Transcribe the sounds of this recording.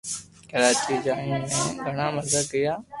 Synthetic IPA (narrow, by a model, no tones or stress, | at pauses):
kəɾaːt͡ʃiːd͡ʒaːĩːnẽːɡʱəɳaːməzəɡɪjaː